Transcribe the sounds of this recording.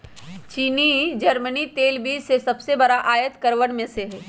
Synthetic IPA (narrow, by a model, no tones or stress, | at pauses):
t͡ʃiːnid͡ʒɐɾmənit̪eːlbiːd͡ʒsesɐbsebɐɾaʔaːjət̪kəɾʋəɽ̃mẽseɦɛː